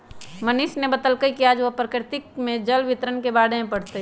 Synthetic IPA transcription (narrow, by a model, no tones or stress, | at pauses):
mənɪʃnebət̪əlkəikiaːd͡ʒʋopɾəkɾɪt̪ɪkmẽd͡ʒəlʋɪt̪ɾənkebaːɽemẽpəɽt̪e